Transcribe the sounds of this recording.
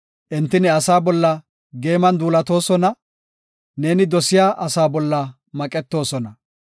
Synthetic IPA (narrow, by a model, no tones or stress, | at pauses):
ʔɪnt̪ːɪnɪɐsaːbɔlːɐ | ɡe̞ːmɐnd̪uːlɐt̪o̞ːsɔnɐ | ne̞ːnɪd̪ɔsɪjaːʔɐsaːbɔlːɐ | mɐkʼɛt̪ːo̞ːsɔnɐ